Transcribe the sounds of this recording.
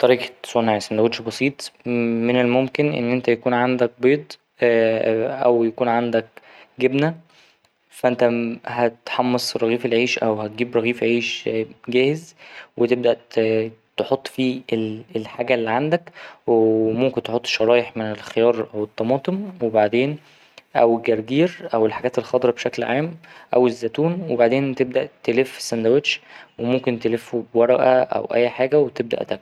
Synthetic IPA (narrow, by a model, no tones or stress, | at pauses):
t̪ˤɑɾˤiːksˤonːaʕesmæd̪æwod̪ʃbɑsˤiːt̪ˤmenelmomkenʔḛnːʔent̪æjækuːnʕand̪æk̚beːd̪ˤ | ʔæwjækuːnʕand̪ækɡebnæ | fæʔent̪æhæt̪ħɑmːesˤɾˤɑɣiːfelʕiːʃʔæwhæt̪̚ɡiːbɾˤɑɣiːfʕiːʃɡæːhezwet̪eb̚d̪æʔ | t̪eħot̪ˤːfiːelelħaːɡælːiʕand̪ækwemomkent̪eħot̪ˤːʃɑɾˤɑːjeħmenelxejɑːɾˤʔæwet̪ˤːɑmɑːt̪ˤemwebaʕd̪eːn | ʔæwɡæɾˤɡiːɾʔæwelħaɡæːt̪elxɑːd̪eɾˤɑbʃæklʕaːmʔæwezːæt̪uːnwebaʕd̪eːnt̪eb̚d̪æʔt̪elefsænd̪æweʃwemomkent̪elefobwɑɾˤɑʔæʔæ̰wʔæ̰jːħaːɡæwet̪eb̚d̪æ̰ʔt̪æk